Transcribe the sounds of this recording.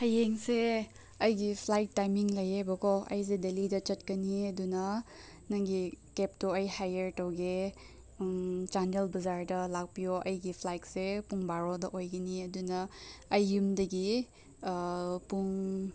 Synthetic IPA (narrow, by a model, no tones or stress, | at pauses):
hɐjeŋse | ɐjɡipʰlajk̚tajmiŋlɐjebɐkɔɐ̰js̬edelidɐt͡ʃɐt̚kɐniɐdunɐ | nɐŋɡikep̚tɔɐjhajeɾtɐwɡe | t͡ʃandelbɐzaɾdɐlak̚pijoʔɐjɡipʰlajk̚sepuŋbaɾɔdɐʔojɡɐniɐdunɐːjːumdɐɡi | puŋ